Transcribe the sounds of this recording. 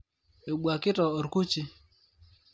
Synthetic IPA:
e˨ɓu˨a˨kɪ˦tɔ˨o˨ɾku˦t͡ʃi˦

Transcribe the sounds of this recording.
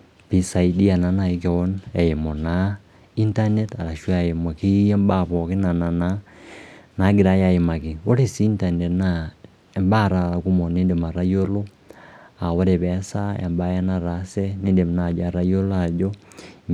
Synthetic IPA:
pi˦sa˨idi˦a˨na˨˦na˨i˦ke˨ɔ˦nɛ˨je˨mɔ˨na˦ | i˦nta˦nɛ˦ta˨ɾa˨ʃwa˨je˨mo˨ki˦ɛ˦mba˦βɔ˨ke˦na˨na˨na | na˨˦ɡe˨ɾa˦ja˨je˨ma˨ki˨o˦ɾe˨si˦nta˨nɛ˨tna | e˨mba˦˨ɾa˨ɾa˨ku˦mɔ˨ne˦nde˨ma˨ɾa˦jo˦lo˦ | a˨wɔ˦ɾe˨βɛ˨˦sa˦ḛ˨mba˦ja˦na˨ɾa˨sɛ˦ne˦nde˨mna˨d͡ʒa˨ɾa˦jo˦la˨d͡ʒɔ˦

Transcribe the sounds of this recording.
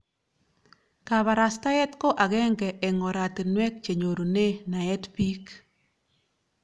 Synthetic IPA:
ka˨βa˨ɾa˨sta˦ɛ˦tko˦ʔa˨ɣɛ˦ŋɡɛ˨ʔɛ˨ŋɔ˨ɾa˨te˨nwɛ˦k̚t͡ʃe˨ɲo˨ɾo˨ne˦na˨ɛ˦tpi˦k

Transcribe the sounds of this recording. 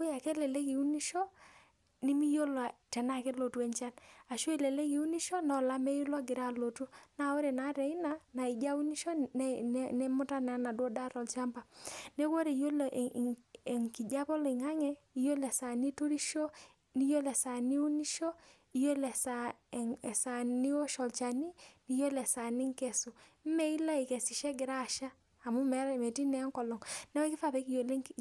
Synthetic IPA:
kʊ˦ja˨kɛ˦lɛ˨le˦ki˨u˦ni˦ʃo˦ | ni˦mi˦jo˦la˨tɛ˨na˦˨ke˦lo˨tu˦ɛ˨ɲt͡ʃa˦na˨ʃo˦e˨le˨le˦ki˨u˦ni˦ʃo˦nɔ˨la˦mɛ˦ju˦lwɔ˦ɡɪ˨ɾa˨lo˨tu˦na˨o˦ɾe˨na˨˦ɾɛ˨ɪ˦na˦na˨i˨d͡ʒa˦u˦ni˦ʃɔ˦nnɛ˦mʊ˦ta˦na˨˦na˨dwɔ˦da˦ɾɔ˨lt͡ʃa˦mba˨ne˦kwo˦ɾe˨jo˦lʔɛ˨ŋki˨d͡ʒa˦pɔ˦li˨ŋa˦ŋɛ˦i˨jo˦lɛ˨sa˨ni˦tu˦ɾi˦ʃo˦ | ni˦jo˦lɛ˨sa˨ni˦u˦ni˦ʃɔ˦ | i˨jo˦lɛ˨sa˨ŋɛ˨sa˨ni˦o˦ʃɔ˨lt͡ʃa˨ni˦ni˨˦jo˦lɛ˨sa˨ni˦ŋkɛ˨su˨m̩˦mɛ˦i˦la˦i˨kɛ˨si˨ʃɛ˦ɡɪ˨ɾa˦˨ʃaː˦˨ | mu˦mɛ˨˦ɾmɛ˨ti˦nɛ˨˦ŋkɔ˨lɔ˨ŋnɛ˦wɛ˦kɪ˦fa˨pɛ˨˦ki˦jo˨lŋ

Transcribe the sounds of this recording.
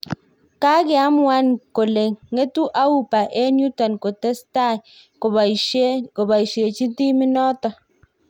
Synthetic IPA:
ka˦ke˦a˦m˦wa˦nko˨le˨ŋːe˦tu˦ʔa˦wu˦˨pa˨ʔe˦nu˦tɔ˨nko˨te˦sta˦˨j | o˨˦ko˨ba˨i˨ʃe˨t͡ʃi˦ti˦mi˦nɔ˦tɔ˨

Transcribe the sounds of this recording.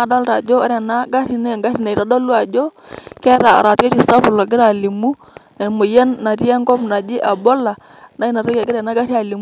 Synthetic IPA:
a˦dɔ˦lɾa˨d͡ʒo˦a˦ɾɛ˨na˦ɡa˦ɾi˨ne˦˨ŋɡa˦ɾi˨na˨i˨ɾa˨˦dɔ˦lu˦a˨d͡ʒo˦ | kɛ˦ɾa̰˨ɾa˨to˦ti˨sa˦bʊ˨lo˨ɡɪ˦ɾa˨li˨mu˦ | nɛ˨mʊ˨jɛ˦nːa˨ɾja˦ŋɡɔ˦mna˨d͡ʒɪ˦ʔa˨bo˦la˨ | na˦i˦na˨ɾo˦ka˨ɡɪ˦ɾɛ˨na˦ɡa˦ɾi˦a˨li˨m˦

